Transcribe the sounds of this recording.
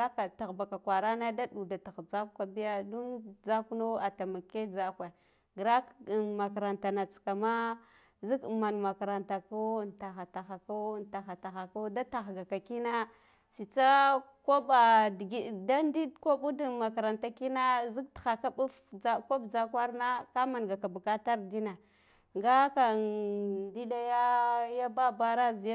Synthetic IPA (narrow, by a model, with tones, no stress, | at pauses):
a˦ka˨ta˨ɣba˨ka˨kʷa˨ɾa˦na˦da˦ɗu˨da˨ta˨xd͡za˦ka˨bi˦ja˦du˦nd͡za˦ku˦no˦a˨ta˨ma˨kːe˦d͡za˦kwa˨ | ɡɾa˦kma˨ka˨ɾa˨nta˨na˨t͡ska˨ma˦ | zi˦kma˨nma˨ka˨ɾa˨nta˨ko˦˨nta˨xa˨ta˨xa˨ko˦˨nta˨xa˨ta˨xa˨ko˦da˦ta˨xɡa˨ka˨ki˦na˦ | si˨t͡sa˦ | ko˦ba˨dɡi˦da˦ndi˦dko˦bu˦du˦ma˨ka˨ɾa˨nta˨ki˦na˦zi˦ktxa˨ka˦bu˦fa˦ko˦bd͡ʒa˦kwa˦ɾna˦ka˦ma˨nɡa˨ka˨ba˨ka˦ta˦ɾdi˦na˨ | ŋɡa˦ka˨ | di˦ɗa˦ja˦ja˦ba˦ba˦ɾa˦zi˨˦